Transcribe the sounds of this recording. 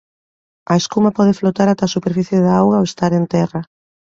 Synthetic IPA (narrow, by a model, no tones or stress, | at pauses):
ɐeskumɐpɔð̞eflot̪aɾat̪asupeɾfiθjeðaawɣaowest̪aɾent̪ɛra